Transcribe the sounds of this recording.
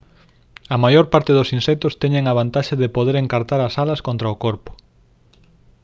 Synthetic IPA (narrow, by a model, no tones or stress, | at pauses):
ɐmajoɾpaɾt̪ɪðʊsinsɛk̚t̪ʊst̪ɛɲeŋɐβ̞ant̪aʃɐðɪpoðeɾeŋkaɾt̪aɾɐsalɐskont̪ɾɐokoɾpʊ̥